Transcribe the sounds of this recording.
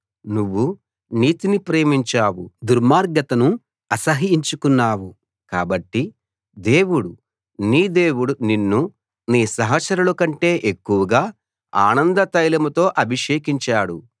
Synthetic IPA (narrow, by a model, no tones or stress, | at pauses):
nuʋːu | niːt̪inipɾe̞ːmiɲt͡ʃaːwud̪uɾmaːɾɡɐt̪ɐnu | ɐsɐɦiiɲt͡ʃukunːaːwu | kaːbɐʈːi | d̪e̞ːwuɽu | niːd̪eːwuɽuninːu | niːsɐɦɐsɐɾulukɐɳʈe̞ːʔekːuʋɐɡaː | a̰ːnɐnd̪ɐt̪ɐjlɐmut̪o̞ːʔɐbʱiʂeːkiɲt͡ʃaːɽu